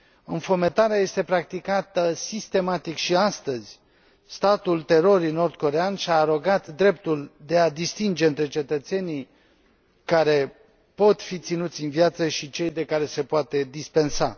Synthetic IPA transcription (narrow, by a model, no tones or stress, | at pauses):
ɨnfomet̪aɾeaje̞st̪e̞pɾak̚t̪ikat̪əsist̪e̞mat̪ikʃiast̪əzʲ | st̪at̪ult̪e̞ɾo̞ɾijno̞rd̪̚ko̞ɾe̞anʃiaːɾo̞ɡat̪d̪ɾe̞pt̪uld̪e̞ad̪ist̪ind͡ʒe̞ɨnt̪ɾe̞t͡ʃe̞t̪ət̪se̞nij | kaɾe̞ | po̞t̪fit̪sinut̪sʲɨnvjat̪səʃit͡ʃe̞jd̪e̞kaɾe̞se̞poat̪e̞d̪ispe̞nsa̰